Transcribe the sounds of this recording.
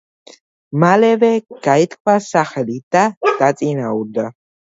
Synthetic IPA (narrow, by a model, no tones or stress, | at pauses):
malɛvɛɡ̥ait̪ʰkʰwasaχɛlid̪̥ad̪̥at̪sʼinauɾd̪a